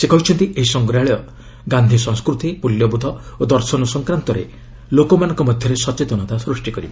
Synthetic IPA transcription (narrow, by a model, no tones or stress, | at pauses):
sekɔɦut͡ʃʰɔnt̪iʔeɦisɔŋɡɾaɭjɔ | ɡand̪ʱisɔ̃ŋ̃skɾut̪imuljɔbud̪ʱɔod̪ɔɾsɔnɔsɔŋkɾant̪ɔɾḛ | lokɔmanɔŋkɔmɔd̪ʱjɔɾesɔt͡ʃet̪ɔnɔt̪asɾusʈikɔɾibɔ